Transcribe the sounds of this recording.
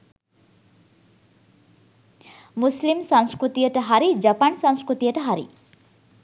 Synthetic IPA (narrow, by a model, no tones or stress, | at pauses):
muslimsaŋskɾut̪ijəʈəɦaɾid͡ʒapansaŋskɾut̪ijəʈəɦaɾḭ